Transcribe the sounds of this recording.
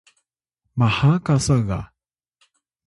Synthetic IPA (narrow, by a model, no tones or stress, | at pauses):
mahakasaɣa̰